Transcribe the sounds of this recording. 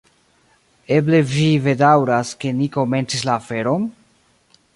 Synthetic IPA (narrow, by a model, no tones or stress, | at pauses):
e̞ble̞vive̞dawɾaske̞niko̞me̞nt͡sislaːfe̞ɾo̞n